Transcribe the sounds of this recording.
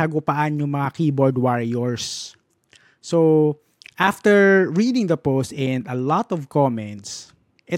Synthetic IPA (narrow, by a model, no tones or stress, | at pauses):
ɐɡʊpaʔanjʊŋmɐŋakiːbɔɹd̪waɹɪjɔɹs | o | ʔaft̪ɛɹɹid̪ɪ̃ŋd̪ɐpowst̪ɛnd̪ɐlɔt̪ɔvkɔmɛ̃nt̪s | ʔɪ